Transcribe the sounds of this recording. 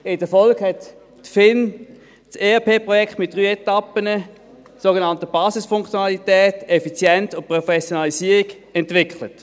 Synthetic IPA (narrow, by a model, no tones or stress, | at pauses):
ɪdəfɔlkhɛt | tfɪn | seːɛpʰeːpʁɔjɛkχtmɪt̚d̥ʁyːɛtɑpənə | soɡenɑntəb̥ɑːsɪsfʊŋkt͡sjonɑlitɛːtɛfit͡sjɛntʊnt̚pʁofɛsjonɑlisiːəʁik | ɛntvɪkʰlət